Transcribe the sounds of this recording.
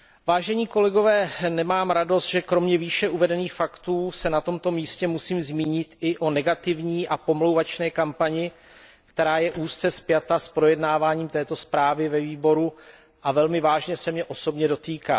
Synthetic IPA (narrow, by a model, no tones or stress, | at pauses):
vaːʒɛɲiːko̞lɛɡo̞vɛːnɛmaːmɾado̞st̪ʒɛkɾo̞mɲɛviːʃɛʔuvɛdɛniːxfakt̪uːsɛnat̪o̞mt̪o̞miːscɛmusiːmzmiːɲɪt̪ɪʔo̞nɛɡat̪ɪvɲiːʔapo̞mlowvat͡ʃnɛːkampaɲɪ | kt̪ɛɾaːjɛʔuːst͡sɛspɪjat̪aspɾo̞jɛdnaːvaːɲiːmt̪ɛːt̪o̞spɾaːvɪvɛviːbo̞ɾu | ʔavɛlmɪvaːʒɲɛsɛmɲɛʔo̞sobɲɛdo̞t̪iːka̰ː